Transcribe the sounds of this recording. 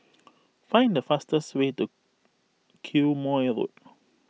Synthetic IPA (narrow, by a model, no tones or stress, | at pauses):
fãɪ̃ndəfastəswetu | kʰulmɔɛɹo̰t̚